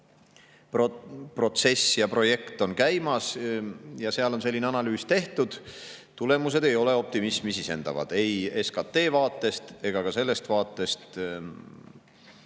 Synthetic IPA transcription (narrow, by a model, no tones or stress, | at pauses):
ppro̞t̪se̞sːjɑpro̞je̞kt̪ˑo̞nkæjmɑs | jɑse̞ɑlo̞nse̞lʲːineɑnɑlyːst̪e̞ht̪ud̪̥ | t̪ule̞mus̬e̞d̪e̞jo̞le̞o̞p̚t̪imismisise̞nd̪̥ɑ̰vɑ̰d̪̥e̞je̞skɑt̪ːˑe̞ːvɑːt̪ːˑe̞st̪e̞ɡ̥ɑkɑse̞lːe̞st̪vɑːt̪ːˑe̞st̪